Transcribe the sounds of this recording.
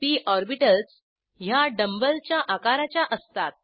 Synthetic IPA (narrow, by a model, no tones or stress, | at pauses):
t̪iːʔɔɾbiʈəls | jaɖəmbəlt͡ɕjaʔakaɾat͡ɕjaʔəst̪at̪̚